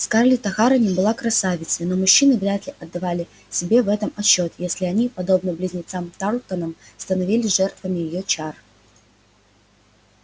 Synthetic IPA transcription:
skarlʲɪt̪ɐxaɾənʲɪmbɨlˠakɾɐsavʲɪt̪smʲɪno̞mʊɕːinɨvɾʲat̪lʲɪʔɐd̪ːɐvalʲɪ | sʲɪbʲe̞vɛt̪əmɐt͡ɕːo̞t̪jesʲlʲɪɐnʲipɐd̪o̞bnəblʲɪzʲnʲɪt̪samt̪aɾˠkənəmst̪ənɐvʲilʲɪʐɛrt̪vəmʲɪjɪjot͡ɕar

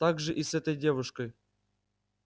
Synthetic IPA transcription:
t̪aɡʐɨʔisɛt̪əjdʲe̞vuʂkəj

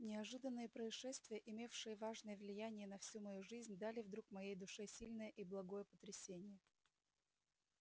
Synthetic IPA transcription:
nʲɪɐʐɨd̪ənːɨjəpɾəɪʂɛst̪vʲɪjəʔɪmʲefʂɨjəvaʐnəjəvlʲɪjænʲɪjənɐfsʲumɐjuʐɨzʲnʲd̪alʲɪvd̪ɾukmɐjejd̪ʊʂɨsʲilʲnəjəʔiblˠɐɡo̞jəpə̥t̪ɾʲɪsʲenʲɪjə

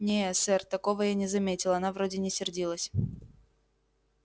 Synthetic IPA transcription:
nʲesɛrt̪ɐko̞vəjanʲɪzɐmʲetʲɪlˠɐnavɾodʲɪnʲɪsʲɪrdʲilˠəsʲ

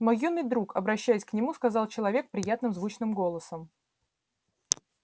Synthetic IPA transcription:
mojːunːɨjd̪ɾukɐbɾɐɕːæjɪsʲknʲɪmuskɐzɑlˠt͡ɕɪlˠɐvʲe̞k̚pɾʲɪjat̪nɨmzvut͡ɕnɨmɡo̞lˠəsəm

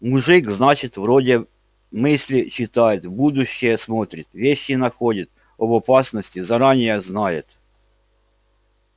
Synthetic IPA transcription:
mʊʐɨkznat͡ɕɪt̪vɾodʲɪ | mɪsʲlʲɪt͡ɕɪt̪ajɪt̪bud̪ʊɕːɪjəsmot̪ɾʲɪt̪vʲeɕːɪnɐxodʲɪt̪ | ɐbɐpasnəsʲtʲɪzɐɾanʲɪjəznajɪt̪

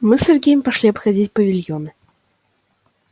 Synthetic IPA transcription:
mɨsʲerʲɡʲejɪmʲpɐʂlʲiɐpxɐdʲitʲpɐvʲilʲjonɨ

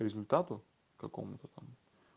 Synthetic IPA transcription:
ɾʲɪzʲʊlʲt̪at̪ʊ | kɐko̰mʊt̪ɐt̪ɐm

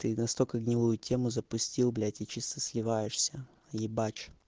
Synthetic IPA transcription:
t̪ɨnɐst̪olʲkəɡnʲɪlˠujʊtʲʰe̞mʊzəpʊsʲtʲilˠblʲætʲɪt͡ɕist̪əsʲlʲɪvajɪʂsʲə | jɪbat͡ɕ

